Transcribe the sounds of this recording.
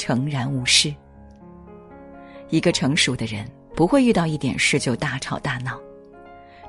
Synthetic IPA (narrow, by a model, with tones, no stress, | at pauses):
ʈ͡ʂʰɤ˧˥ŋɻa˧˥nu˧˥ʂɻ̩˥˩ | i˧˥ɡə˧ʈ͡ʂʰɤ˧˥ŋʂu˨˩d̪ə˦ɻə˧˥n | pu˧˥xwe˥˧ɪy˥˧t̪ɑ˥˧ʊi˥˩t̪jɛ̰˨˩nʂɻ̩˥˧t͡ɕjo˥˧ʊt̪a˥˩ʈ͡ʂʰɑ˨˩ʊt̪a˥˩nɑ˥˩ʊ